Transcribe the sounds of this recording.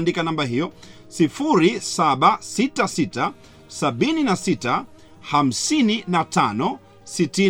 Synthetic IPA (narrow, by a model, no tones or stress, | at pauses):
ndikanambaɦijɔ | sifuɾisaɓasitasita | saɓininasita | ham̩sininatanɔ | siti